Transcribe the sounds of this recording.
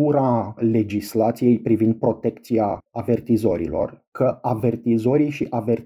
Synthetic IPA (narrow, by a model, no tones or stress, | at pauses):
uɾale̞d͡ʒislat̪sije̞jpɾivind̪̚pɾo̞t̪e̞kt̪siaave̞rt̪izo̞ɾḭlo̞̰rkʰəave̞rt̪izo̞ɾijʃiʔave̞r